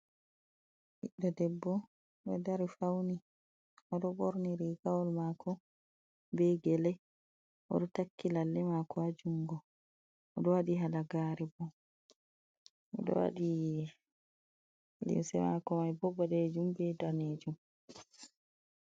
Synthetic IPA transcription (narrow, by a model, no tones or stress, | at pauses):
ʔiɗːɔdɛbːɔ | ɗɔdaɾifawni | ʔɔɗɔɓɔɾniɾiɡawɔlmakɔ | bɛɡɛlɛ | ʔɔɗɔtakːilalːɛmakɔad͡ʒuŋɡɔː | ɗɔwaɗiɦalaɡaːɾɛbɔ | ʔɔɗɔ̰wa̰ɗi | lḭmsɛ̰makɔmajbɔbaɗed͡ʒumbɛdaned͡ʒum